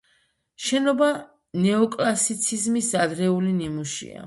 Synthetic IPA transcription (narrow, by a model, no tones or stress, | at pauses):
ʃɛnɔba | nɛɔkʼlasit̪sʰizmisad̪ɾɛulinimuʃḭa̰